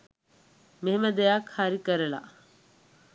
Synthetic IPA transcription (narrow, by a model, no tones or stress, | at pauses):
meɦemɐd̪ejakhaɾikəɾela̰